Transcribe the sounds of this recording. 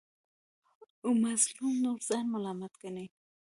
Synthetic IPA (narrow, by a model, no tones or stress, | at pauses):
umaslumnoɾz̥anmalamat̪kane